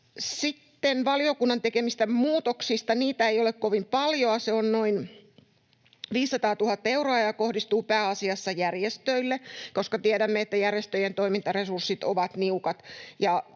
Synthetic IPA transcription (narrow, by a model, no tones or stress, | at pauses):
sit̪ːenʋɑliokunːɑnt̪ekemist̪æmmuːt̪oksist̪ɑniːt̪æeijolekkoʋimpɑljoɑseonnoin | ʋiːsːɑt̪ɑːt̪uhɑt̪ːeuroɑjɑkohdist̪uːpæːɑsiɑsːɑjærjest̪øilːekoskɑt̪ieɾæmːeet̪ːæjærjest̪øjent̪oimint̪ɑresursːit̪o̰ʋɑt̪niukɑt̪jɑ